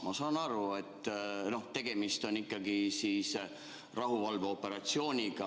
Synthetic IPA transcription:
mɑsɑːnɑɾue̞t̪ːˑno̞ht̪e̞ɡ̥e̞mist̪o̞nikˑːɑɡisiːs | rɑɦuvɑlveo̞pːˑe̞ɾɑt̪sio̞ːnʲiɡ̥ɑ

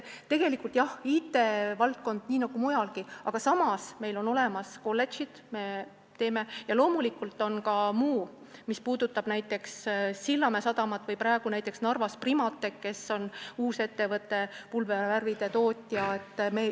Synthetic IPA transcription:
t̪e̞ɡ̥e̞likˑult̪jɑhiːt̪ːˑe̞vɑlt̪̚ko̞nd̪̥niːnɑɡ̥umujɑlɡiɑɡ̥ɑsɑmɑsme̞jlo̞no̞le̞mɑsko̞lːe̞t̪t͡ʃid̪̥me̞ | t̪e̞ːme̞jɑlo̞ːmulikːˑult̪ːˑo̞nkɑmuː | mispuːd̪̥ut̪ːˑɑb̥næjt̪ːˑe̞ksːilːɑmesɑd̪ɑmɑt̪ːˑvɤjpɾɑe̞ɡ̥unæjt̪ːˑeksnɑrvɑsprimɑt̪ːˑe̞kke̞so̞nuːse̞t̪ːe̞vɤt̪ːˑe̞pulveværvid̪̥e̞t̪o̞ːt̪ʲːˑjɑe̞t̪ːˑme

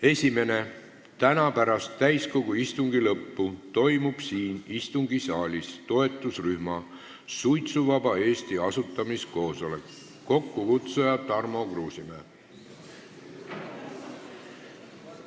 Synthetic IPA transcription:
e̞sʲime̞ne̞ | t̪ænɑpæɾɑst̪ːæjsko̞ɡ̥uist̪uŋɡ̥ilɤpːut̪o̞jmub̥siːnist̪uŋɡ̥isɑːlʲist̪o̞e̞t̪ːˑusryhmɑ | sujt̪suvɑbɑe̞ːst̪iɑsut̪ˑːɑmisko̞ːso̞le̞kː | o̞kːukut̪sejɑt̪ɑrmo̞kruːsimeː

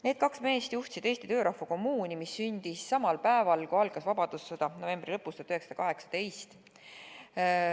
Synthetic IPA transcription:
ne̞ːd̪̚kɑksme̞ːst̪juht̪sid̪e̞ːst̪it̪ø̞ːɾɑhfɑko̞mːuːnʲimisːynʲd̪̥issɑmɑlpæevɑlkuɑlɡ̥ɑsvɑbɑd̪̥usːɑd̪̥ɑno̞ve̞mbrilɤpːˑust̪ɑt̪yheksɑd̥̪ɑkɑɦe̞ksɑ̥t̪e̞jst̪

